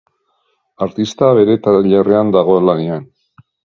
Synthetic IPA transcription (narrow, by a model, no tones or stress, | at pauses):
aɾt̪ist̪aβe̞ɾe̞t̪aʎereand̪aɣ̞o̞elanien